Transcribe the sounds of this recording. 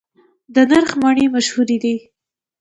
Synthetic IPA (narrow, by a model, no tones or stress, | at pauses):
d̪ənaɾxmɑɳemaʃhuɾid̪i